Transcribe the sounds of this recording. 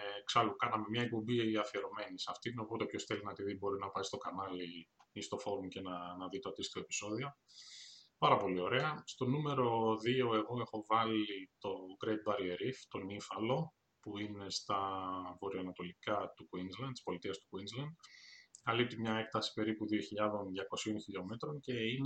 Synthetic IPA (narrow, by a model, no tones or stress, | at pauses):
ksɐlukɐnɐmemɲɐek̚po̞mbiiɐfie̞ɾo̞me̞nisɐft̪ino̞pot̪epço̞sθe̞linɐt̪iðibo̞ɾinɐpɐist̪o̞kɐnɐliist̪o̞fo̞ɾumcenɐnɐðit̪oɐt̪ist̪oe̞pi̥so̞ðio̞ | pɐɾɐpo̞lio̞ɾe̞ɐst̪o̞nume̞ɾo̞ðio̞e̞ɣo̞e̞xo̞vɐlit̪o̞ɡɾejd̪̚bɐɾieɾift̪o̞nifɐlo̞ | puimne̞st̪ɐvo̞ɾioɐnɐt̪o̞likɐt̪ukwinzlɐnt̪i̥spo̞lit̪iɐst̪u̥kwinzlɐnd̪ɐlip̚t̪imɲɐe̞k̚t̪ɐsi̥pe̞ɾipuðioçiʎɐðo̞nðʝɐko̞sio̞nçiʎo̞me̞t̪ɾo̞nce̞in